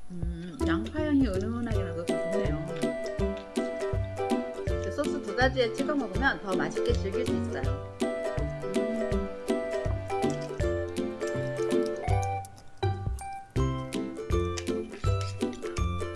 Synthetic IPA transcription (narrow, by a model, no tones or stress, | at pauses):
ɯ | jaŋpʰajʌŋiɯnɯŋʌnaɡenɯɡʌɯtʰunejo | es͈ʰos͈ʰɯtuɡad͡ʑiet͡ɕʰiɡʌŋɡʌɡomjʌntʌmaɕʰik͈eɕʰiɭɡid͡ʑuis̚t͈aj | ɯ